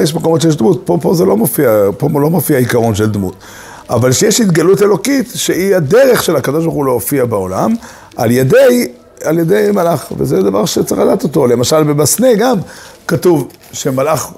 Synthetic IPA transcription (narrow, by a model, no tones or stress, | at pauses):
jeʃ̬mako̞motʃejeʃdmut̚popo̞zelo̞mofiapolo̞mofiaikaʁo̞nʃeld̪mṵt̪ | avalʃejeʃit̪ɡalute̞lo̞kitʃeiad̪eʁe̞χʃe̞lakad̪o̞ʃ̬baʁχuloofiabeo̞la̰m | ʔa̰ljedej | aljed̪ejmalaχvezed̪avaʁʃet͡saχalat̪o̞to̞le̞maʃalbebasneɡamkatuv | ʃe̞malaχ